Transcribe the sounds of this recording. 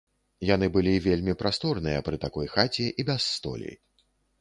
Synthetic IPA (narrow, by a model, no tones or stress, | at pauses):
janɨbɨlʲivʲelʲmʲipɾʔast̪ɔrnɨjɐpɾɨt̪akɔjxat͡sʲiʔibʲɛsːt̪ɔ̰lʲḭ